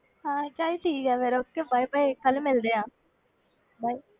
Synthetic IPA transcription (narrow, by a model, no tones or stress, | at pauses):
ɦãːt͡ʃaːiʈʰiːkɛːʋeːɾʊt̪ʰːebaːipəikəlmɪld̪eːãː | baːiː